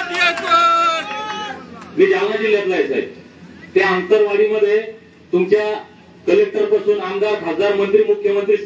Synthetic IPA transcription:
miːd͡ʑawnad͡ʑiljat̪laesa̰jt̪ | t̪eãnt̪əɾʋaɽiːməd̪ʱːje | t̪umt͡ɕja | kəlek̚ʈəɾpasuːnaŋɡ̪aɾbʱad͡zaɾmənt̪ɾiːmukʰjəmənt̪ɾiːs

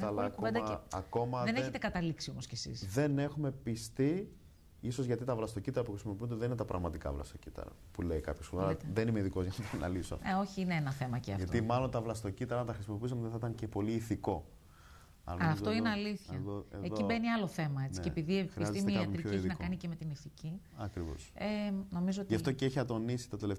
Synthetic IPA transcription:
ɐlɐked̪ɐɐko̞mɐðeneçet̪ekɐt̪ɐliksiomoscesḭsðe̞ne̞xume̞pist̪i | isozʝɐt̪it̪ɐvlɐst̪o̞cit̪ɐɾɐpuxɾisimo̞piund̪eðeninet̪ɐpɾɐ̰ɣmɐt̪ikɐ̰vlɐ̰st̪ocit̪ɐ̰ɾɐ̰puleikɐpçosuɾɐeðenimeðiko̞zʝɐnɐt̪enɐ̰liso̰eo̞çiineenɐθe̞mɐceɐ̰ʝɐt̪ot̪imɐlo̞nt̪ɐvlɐst̪o̞cit̪ɐɾɐt̪ɐxɾisimo̞p̬is̬emot̪eθɐit̪ɐncepo̞liːθiko̞ | ɐ̰lɐnɐlɐft̪o̞ineɐliθçɐðoeeðoibe̞niɐlo̞θe̞mɐet͡siepiðiexɾiiszet̪ismeikɐɾioeçnɐkɐnicemet̪iniθiciɐkɾivo̰seno̞mizootʝɐft̪o̞ceeçɐt̪o̞nisi̥t̪ɐt̪elef

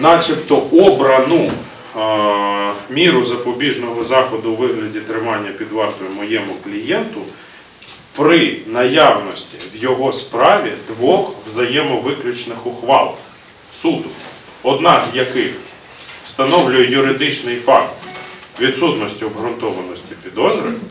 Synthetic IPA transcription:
nɑt͡ʃʲipt̪ɔʔɔbɾɐnu | mʲiɾʊzɐpɔbʲiʒnɔɦɔzɑxɔd̪ʊʋɪɦlʲɐdʲit̪ɾɪmɑnʲːɐpʲid̪ʋɑrt̪ɔjʊmɔjɛmʊklʲijɛnt̪ʊ | pɾɪnɐjɑwnɔsʲtʲi̥ʋjɔɦɔspɾɑʋʲid̪ʋɔxʋzɐjɛmɔʋɪklʲʊt͡ʃnɪxʊxʋɑ̰lˠx | sud̪ʊ | ɔd̪nɑzjɐkɪx | st̪ɐnɔwlʲʊjɛjʊɾɪd̪ɪt͡ʃnɪjfɑkt̪ʋʲid̪sut̪nɔsʲtʲiɔbɦɾʊnt̪ɔʋɐnɔsʲtʲipʲid̪ɔzɾɪw

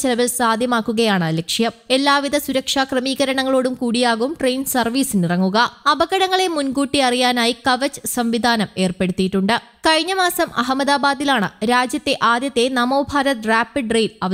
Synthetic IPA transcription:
t͡ɕelɐʋilsaːd̪ʱjɐmaːkːuɣɐjaːɳɨlekʂjɐme̞lːaːʋiðɐsuɾɐkʂaːkrɐmiːɣɐɾɐɳɐŋːɐɭo̞ːɽumkuːɽijaːɣumʈre̞jnsɐrʋiːsinirɐŋːuɣɐɐbɐɣɐɽɐŋːɐɭe̞munɡuːʈːiɐrijaːnaːjikɐʋɐt͡ɕːɨ̥sɐmʋid̪ʱaːnɐme̞ːrpe̞ɽut̪ːiiʈːuɳɖɨ | kɐɻiɲːɐmaːsɐmɐɦɐmɐd̪aːbaːd̪ilaːɳɨɾaːd͡ʑjɐt̪ːe̞ʔaːd̪jɐt̪ːe̞nɐmoːbʱaːɾɐt̪raːpːiɖrejlɐʋɐ

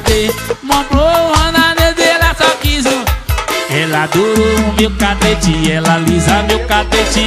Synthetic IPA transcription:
d̪emõplouhɐ̃nãned̪elasɔkizʊ | ɛlad̪oɾoũmewkat̪et͡ʃiɛlalizamewkat̪et͡ʃi

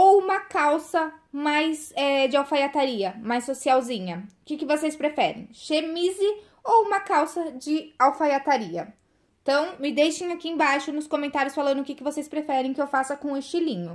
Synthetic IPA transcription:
owumɐkawsɐmajsɛd͡ʒɪawfajat̪aɾiɐmajsːosiawzĩɲɐʊkɪkɪvosejspɾefɛɾḛ̃j̃ʃemizɪ | owũmɐkawsɐd͡ʒɪawfajat̪aɾiɐ | ẽt̪ɐ̃w̃mɪd̪ejʃẽj̃akiẽbajʃʊnʊskõmẽnt̪aɾjʊsfalɐ̃nd̪ʊkɪkɪvosespɾefɛɾẽj̃kɪewfasɐkõeɪʃt͡ʃilĩɲʊ

